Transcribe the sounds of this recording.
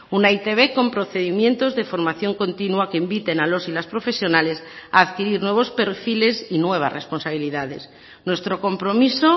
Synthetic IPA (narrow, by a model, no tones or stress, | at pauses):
unait̪e̞β̞e̞ko̞mpɾo̞θe̞ðimjẽ̞nt̪o̞zðe̞fo̞ɾmaθjo̞ŋko̞nt̪inwuakeimbit̪e̞nalo̞silaspɾo̞fe̞sjo̞nale̞sa̰ːðkiɾiɾnwe̞β̞o̞spe̞ɾfile̞sinwe̞β̞a̰sre̞spo̞nsaβiliðað̞e̞s | nwe̞st̪ɾo̞ko̞mpɾo̞miso